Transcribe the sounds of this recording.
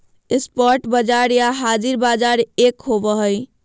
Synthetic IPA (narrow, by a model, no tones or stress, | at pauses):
espɔɾʈbəd͡ʒaɾjaɦad͡ʒiɾbad͡ʒaɾekɦobəɦəj